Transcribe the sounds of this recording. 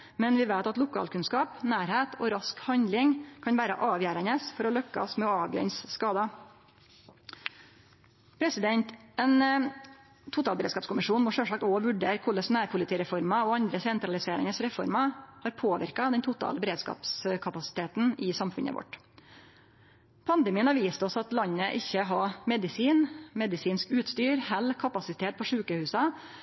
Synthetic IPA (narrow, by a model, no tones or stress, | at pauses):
mɛnʋɪʋeːt̪ɑt̪lʊkʰɑ̰ːlkʰʉnskɑːpnæːɾheːt̪ʰɔɾɑskhɑnd̪lɪŋkʰɑnʋæːɾə̰ʔɑːʋjæːɾɑnəsfɔɾɔlœkːɑ̰smɛɔɑːʋɡɛ̰nsskɑːd̪ɑ | pʰɾɛsɪd̪ɛnt̪ɛn | t̪ʰʊt̪ɑːlbəɾeːd̪skɑːpskʊmɪʂuːnmɔʂøːʂɑk̚t̪oːʋʉɖeːɾkʰʊɭəsnæːɾpʰʊlɪt̪ʰiːɾɛfɔɾmɑɔɑnd̪ɾəsɛnt̪ɾɑlɪseːɾɪŋəsɾɛfɔ̰ɾmɑhɑːɾpʰoːʋɪɾkɑd̪ɛnt̪ʰʊt̪ʰɑ̰ːləbəɾeːd̪skɑ̰ːpskʰɑpɑsɪ̥t̪ʰeːt̪nɪsɑmfʉ̰nə̰ʋʔɔ̰ʈ | pʰɑnd̪ɛmiːənɑʋiːst̪əɔsɑt̪lɑɲːəʔɪçːəɦɑmɛd̪ɪsiːnmɛd̪ɪsiːnskʉːt̪st̪yːɾhɛlːkʰɑpɑsɪt̪ʰeːt̪̚pʰɔʂʉːkəhʉːsɑ